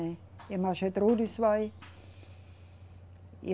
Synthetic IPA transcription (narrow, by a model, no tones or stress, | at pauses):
e | emɑʃet̪ruːd̪isʋɑi | j